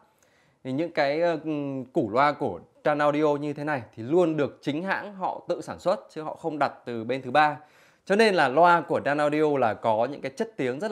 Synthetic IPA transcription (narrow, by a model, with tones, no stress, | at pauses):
ɲɨ̰˧˥ŋkaː˨˦jku˧˩lwaː˧ku˧˩əɗaː˧naː˧wɗi˧ʔo˧ɲɨ˧t̪ʰe˨˦na˨˩jt̪ʰi˨˩lu˧ənɗɨ˨˩ək̚t͡ɕï˨˦ŋ̟ɦa̰ː˧˥ŋɦɔ̰˧˨t̪ɨ̰˧˨saː˧˩nswə˦˥t̚t͡ɕɨ˨˦hɔ̰˧˨xə˧wŋ͡mɗa˨˩t̚t̪ɨ˨˩ɓe˧nt̪ʰɨ˨˦ɓaː˧ | t͡ɕɔ˧ne˧nlaː˨˩lwaː˧ku˧˩əɗaː˧naː˧wɗi˧ʔo˧laː˨˩kɔ˨˦ɲɨ̰˧˥ŋkaː˨˦jt͡ɕə˦˥t̚t̪i˨˦əŋzə˦˥t̚